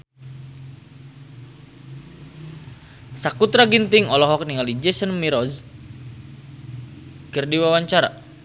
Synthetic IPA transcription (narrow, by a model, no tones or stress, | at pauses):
sakut̪ɾaɡint̪iŋɔlɔɦɔk̚niŋalid͡ʒɛsənmiɾɔz | kərdiwawaɲt͡ʃaɾa̰